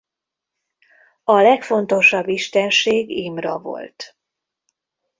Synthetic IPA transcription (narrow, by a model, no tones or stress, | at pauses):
ɒlɛkfo̞nt̪o̞ʃɒbːiʃt̪ɛnʃeːɡiːmrɒvo̞̰lt̪